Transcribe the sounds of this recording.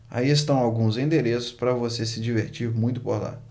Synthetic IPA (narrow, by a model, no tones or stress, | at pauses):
a̰ies̬t̪ɐ̃w̃awɡũzẽd̪eɾesʊ̥spɾɐvosesɪd͡ʒiveɾt͡ʃiɾmũj̃t̪ʊ̥poɾla̰